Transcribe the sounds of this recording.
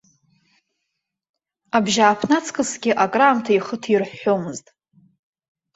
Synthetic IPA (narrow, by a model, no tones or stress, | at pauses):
abʒaːpʰnat͡sʰkʰʼɨsɡʲɪʔakʼraːmtʰaiχətʰirħomɨztʼ